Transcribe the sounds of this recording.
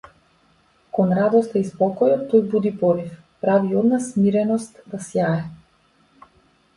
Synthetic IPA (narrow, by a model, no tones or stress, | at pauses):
kɔnɾad̪ɔst̪aispɔkɔjɔt̪ːojbud̪ipɔɾif | pɾaviɔd̪nasmiɾɛnɔst̪d̪asjaɛ